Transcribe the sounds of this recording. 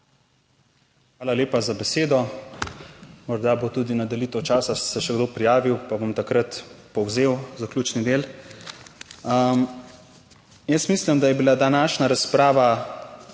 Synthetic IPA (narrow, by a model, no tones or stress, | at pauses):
xʋaːlaleːpazabɛseːd̪ɔ | mɔɾd̪abot̪ud̪inad̪ɐlit̪əwt͡ʃaːsasɛʃɛɡd̪oːpɾijaːʋiwpabomt̪akɾət̪pɔwzewzaklʲuːt͡ʃnid̪eːl | əm | jəsmislimd̪ajɛbilad̪anaːʃnaɾaspɾaːʋa